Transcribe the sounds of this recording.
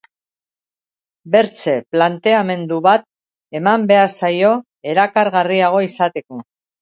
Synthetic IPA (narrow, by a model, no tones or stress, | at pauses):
be̞ɾt͡se̞plant̪e̞ame̞nd̪uβat̪̚ | e̞mambe̞aɾsajo̞ | e̞ɾakaɾɣariaɣ̞o̞isat̪e̞ko̞